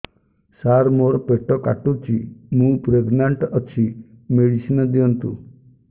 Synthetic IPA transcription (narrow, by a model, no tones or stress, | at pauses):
saɾmoɾpeʈɔkaʈut͡ʃʰimũpɾeɡnaɳʈɔt͡ʃʰi | meɽisinɔd̪iɔnt̪ṵ